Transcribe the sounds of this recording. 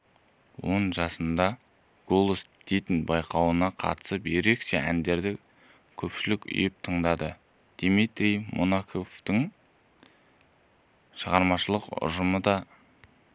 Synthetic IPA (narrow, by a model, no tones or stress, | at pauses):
wo̞ɴʒɑsənd̪ɑ | ɡ̥o̞lˠosd̪̥e̞jt̪ɪnbɑjqʰɑwənɑqʰɑ̰t̪ə̥səpje̞ɾe̞kʃe̞ʔæ̰nd̪e̞ɾd̪ɪ | kʲʰɵpʃɪlɪkʲʏ̰jɪp̚t̪ʰəɴd̪ɑd̪ə | d̪̥imit̪ɾijmʔo̰nakʰo̞ft̪əɴ | ʃəʁɑɾmɑʃəlˠəqʊ̰ʒəməd̪ɑ